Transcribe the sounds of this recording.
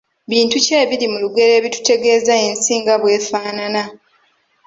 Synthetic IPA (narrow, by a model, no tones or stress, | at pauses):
βiːntuce̞ːβiɾimuluɡe̞ɾe̞ːβitu̥te̞ɡe̞ːzaeːnsiːŋɡaβwe̞ːfaːnana